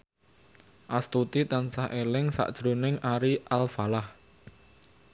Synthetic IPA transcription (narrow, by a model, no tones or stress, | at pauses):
ʔast̪ut̪it̪ansahʔelɪŋsa̰ʔd̥ʒ̥ɾonɪŋaɾiʔalfalah